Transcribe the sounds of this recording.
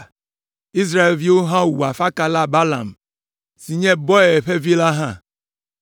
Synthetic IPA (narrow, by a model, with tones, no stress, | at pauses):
i˦s̬ɾa˦e˨lvi˦wo˦ɦã˦wu˨a˨fa˦ka˦la˦ba˦la˨m | si˨ɲɛ̃˦bɔ˦˨ɛ˨ɸe˦vi˦la˦ɦã˦˨